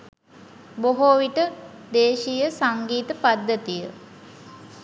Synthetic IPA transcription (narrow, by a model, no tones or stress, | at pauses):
boɦoːʋiʈə | d̪eːʃijəsaŋɡiːt̪əpad̪ːət̪ijə